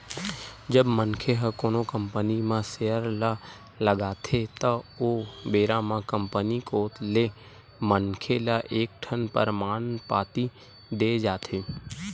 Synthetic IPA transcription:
d͡ʒəbmənkʰeɦəkoːnokəmpənimãseːəɾla | ləɡaːt̪ʰet̪əoːbeːɾãmãkəmpənikoːt̪le | mənkʰelaʔeːk̚ʈʰənpə̰ɾmaːnpaːt̪i | d̪eːd͡ʒaːt̪ʰeː

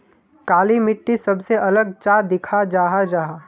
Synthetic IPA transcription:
kaːlimɪʈːisɐbseʔɐləɡ̚t͡ʃaːd̪ɪkʰad͡ʒaːɦad͡ʒaːɦaː

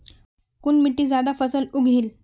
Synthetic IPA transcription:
kuːnmiʈːiːd͡zad̪afəsəluɡʱiːl

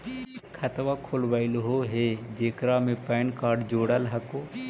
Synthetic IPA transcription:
kʰət̪ʋakʰoːlʋəɪlɦoɦed͡ʒeːkɾamẽpɛːɳkaːɾɖd͡ʒoːɽəlɦəkoː

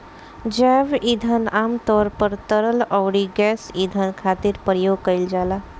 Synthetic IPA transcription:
d͡ʑaʋid̪ʱanʔamt̪ɔɾpəɾt̪əɾələwɽiɡɛsid̪ʱankʰat̪iːɾpɾjoɡ̚kəjld͡ʒala

